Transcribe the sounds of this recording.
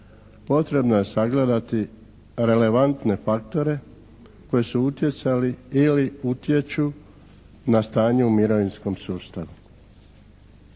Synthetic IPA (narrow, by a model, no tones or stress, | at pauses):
po̞t̪ɾe̞bnoje̞saɡle̞d̪at̪i | ɾe̞le̞ʋant̪ne̞fakt̪o̞ɾe̞ | ko̞jesuut̪je̞t̪saliiliut̪je̞t͡ʃu | nast̪aːɲeumiɾo̞ʋinsko̞msuːst̪aʋu